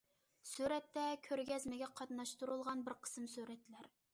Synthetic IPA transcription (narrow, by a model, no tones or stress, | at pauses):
syɾɛt̪ːɛkʲʰøɾɡʲɛzmɪɡʲɛqʰɑt̪nɑʃt̪uɾulˠʁɑnbɪɾqʰə̥sɨmsyɾɛt̪ʰːɪlæɾ